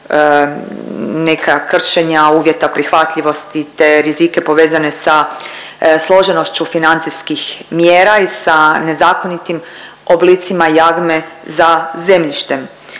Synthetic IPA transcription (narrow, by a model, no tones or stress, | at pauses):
nekakr̩ʃeɲauːʋʲje̞t̪apɾixʋat̪ʎiʋo̞st̪it̪e̞ɾizike̞po̞ʋe̞ːzane̞sa | slˠo̞ʒe̞no̞ʃt͡ɕufinant̪siskixmjeːɾaisane̞zaːko̞nit̪im | oblit̪simajaɡmezaze̞mʎiʃt̪e̞m